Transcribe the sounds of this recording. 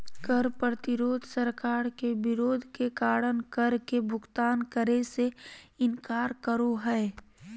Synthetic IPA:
kəɾpət̪ɪɾoːd̪ʱsəɾkaːɾkebɪɾoːd̪ʱkekaːɾənkəɾkebʱʊɡt̪aːnkəɾeseɪnkaːɾkəɾoɦɛː

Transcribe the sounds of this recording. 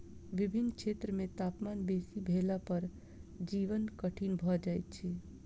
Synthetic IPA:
ʋibʱinːkt͡ʃʰet̪ɾəmẽt̪apmanbesibʱelapəɾ | d͡ʒiʋənkəʈʰinbʱɔd͡ʒajt̪̚t͡ʃʰi

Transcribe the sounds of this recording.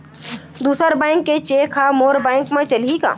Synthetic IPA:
d̪uːsəɾbɛ̃ɪŋkːet͡ʃeːkʰamoːɾbɛ̃ːŋkmẽt͡ʃɐlika̰ː

